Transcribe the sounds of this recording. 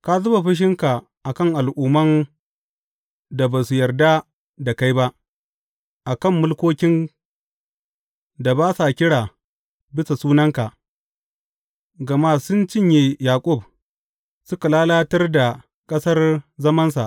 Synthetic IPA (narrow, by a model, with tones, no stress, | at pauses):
ka˦zʊ˦ba˨ɸɪ˦ʃ̬ɪ˦ŋka˨ | ʔa˨kɐ˦˨ŋʔa˨lʔuː˨mɐ˦n | da˨baː˨su˨jɐ˨rda˦ | da˨ka˦jba˦ʔ | ʔa˨kɐ˦˨mːʊ˦lkʷoː˦kʲɪ˦n | da˨baː˦sa˨kʲɪ˦ɽaː˨ | bɪ˦sa˨suː˦nɐ˦ŋka˨ʔ | ɡɐ˨ma˦sʊ˦nt͡ʃɪ˦ɲji˦jaː˨kʷʼʊ˦˨b̚ | sʊ˦ka˨laː˦laː˦tɐ˦rda˨ | kʼɐ˦sɐ˦rzɐ˦mɐ˦ns̬a̰˨ʔ